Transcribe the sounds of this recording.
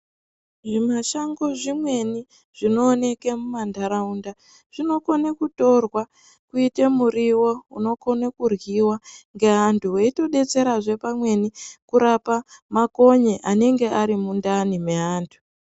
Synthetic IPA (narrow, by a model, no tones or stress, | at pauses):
ʐimaʃaŋɡo̞ʐimwe̞ni | ʐ̥ino̞ːne̞ke̞mumandaɾaunda | ʐ̥ino̞konekuto̞rwa | kuitemuriwo̞uno̞ko̞nakurɣiwaŋɡe̞ɦantʰuweito̞ɗe̞t͡se̞ɾaʐe̞pamwe̞nikuɾapamako̞ɲeʔane̞ŋɡe̞ʔaɾimundanime̞ɦaːntʰu̥